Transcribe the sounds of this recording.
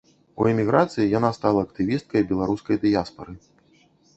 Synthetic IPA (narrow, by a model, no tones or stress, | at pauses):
ṵɛmʲiɣɾat̪sɨjijanast̪alˠɐɐkt̪ɨvʲist̪̚kɐjbʲɛlˠaɾuskɐjd̪ɨjaspɐɾɨ